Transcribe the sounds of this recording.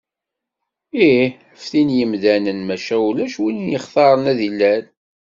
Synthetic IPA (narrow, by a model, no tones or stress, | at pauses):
i | əfθinjəmðænənmæʃæulæʃwinjəχθɑɾˤənæðilːæl